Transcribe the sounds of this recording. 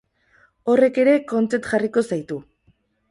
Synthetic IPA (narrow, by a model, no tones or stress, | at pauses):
o̞re̞ke̞ɾe̞ko̞nt͡se̞t̪ʝariko̞sajt̪u